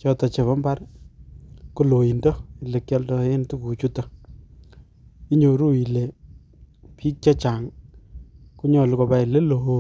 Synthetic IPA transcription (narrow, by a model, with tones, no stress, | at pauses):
t͡ʃɔ˦tɔ˨t͡ʃe˨βɔ˦mba˦r | ku˦lo˨i˨ndɔ˦i˨le˨kjɔ˦ldɔ˨˦je˦ntu˦ku˨t͡ʃu˦tɔ˨ | i˦ɲo˨ɾu˦i˨le˨ | pʰi˦k̚t͡ʃɔ˦t͡ʃa˨ŋ | ku˦ɲɔ˨lu˨kɔ˨pa˦˨i˨le˦lo˨ɦo